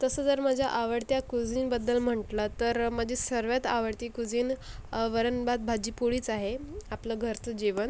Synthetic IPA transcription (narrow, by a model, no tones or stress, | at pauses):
t̪əsəːd͡zəɾməd͡ʑʱjaʔaʋəɽt̪jakud͡ziːnbəd̪ːəlm̤əɳʈlət̪əɾməd͡ʑisəɾʋjat̪aʋəɽt̪iːkud͡ziːnʋəɾənbat̪̚bʱad͡ʑiːpuɽiːt͡saɦeapləɡʱəɾt̪d͡ʑiʋən